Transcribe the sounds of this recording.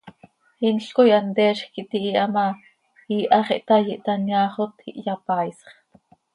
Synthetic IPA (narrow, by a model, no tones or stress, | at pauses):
inɬkojɑnt̪ɛːʃxkiʔt̪iʔiʔɑmɑ | iːʔɑχḭʔt̪ɑjiʔt̪ɑnjɑːχot̪iʔjɑpɑːjsχ